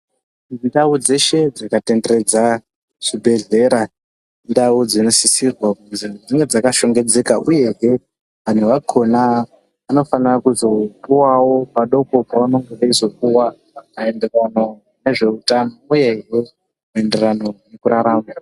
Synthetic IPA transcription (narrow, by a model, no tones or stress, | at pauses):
indaud͡ze̞ʃe̞d͡zakate̞ndere̞d͡za | ʐ̥ibʱe̞ɮe̞ɾa | ndaud͡zino̞sisirwakuzid͡ziŋɡe̞d͡zakaʃo̞ŋɡe̞d͡ze̞kaʔuje̞ɦe̞ | ʋan̤uʋakʰo̞naː | no̞fanirakuzo̞pʼuwawo̞paɗo̞ko̞paano̞ŋɡeʋaizo̞kuwa | kaenderano̞ | ne̞ʐe̞utanouje̞ɦe | mue̞nde̞rano̞ne̞kuɾaɾaːma